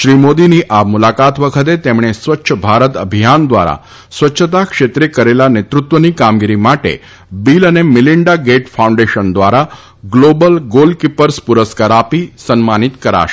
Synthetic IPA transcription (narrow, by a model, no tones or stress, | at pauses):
ʃɾimod̪iniʔamulakat̪ʋəkʰət̪̬et̪emɳ̃esʋətːʃʰəbʱaɾət̪əbʱijand̪ʋa̰ɾa̰ | sʋətːʃʰət̪akʃet̪ɾekəɾelanet̪ɾut̪ʋənikamɡiɾimaʈḛ | bilənemɪliɳɖaɡeʈfʰaũɳɖeʃənd̪ʋaɾa | ɡlobəlɡolkipəɾspuɾəskəɾapisənmanit̪kəɾa̰ʃe̥